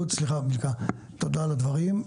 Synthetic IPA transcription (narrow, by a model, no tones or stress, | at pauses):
ut̪sliχabilka | t̪od̪alad̪vaʁim